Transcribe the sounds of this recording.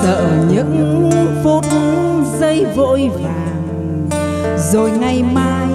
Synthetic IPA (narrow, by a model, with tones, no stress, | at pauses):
səː˧˨˩ɲɨ̰˧˥ŋvo˧˦t̪u˨˧˦zə˧jvo̰˧˨jvaː˨˩ŋ | zo˨˩jŋa˨˩jmaː˧j